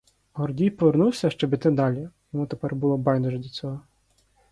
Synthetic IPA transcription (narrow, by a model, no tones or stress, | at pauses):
ɦɔrdʲijpɔʋernuwsʲɐʃt͡ʃɔbʲɪt̪ɪd̪ɑlʲijɔmut̪epɛrbʊlˠɔbɑjnd̪uʒɛd̪lʲɐt͡sʲɔɦɔ